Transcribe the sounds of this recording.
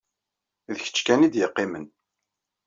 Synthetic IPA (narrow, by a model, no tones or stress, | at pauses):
ðəçə̥t͡ʃːkænid̪jəqːimən